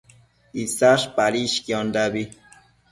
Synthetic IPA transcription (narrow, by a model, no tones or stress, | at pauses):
isaʂpaɾiʃkiɔnd̪abi